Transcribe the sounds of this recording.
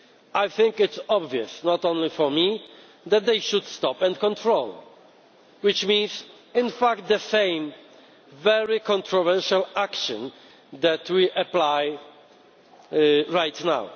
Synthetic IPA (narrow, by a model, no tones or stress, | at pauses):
ajθɪ̃ŋkɪt̪sɔbviəsnɔt̪ɔ̃nlifɔɹmi | ðɛt̪̚d̪ejʃud̪st̪ɔpɛ̃nkɔ̃nt̪ʰɹoʊl | wɪt͡ʃmĩns | ɪ̃nfakt̪̚d̪əsẽj̃m | vɛɹikɔ̃ntɹɔvɛɹʃalakʃɔ̰̃n | d̪æt̪wiʔaplaj | ɹajt̪na̰w